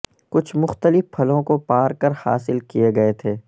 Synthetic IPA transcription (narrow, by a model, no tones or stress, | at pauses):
kʊt͡ʃʰmʊxt̪əlɪfpʰːɐlõkopaːɾkɐɾha̰ːsɪlkieɡɐet̪ʰeː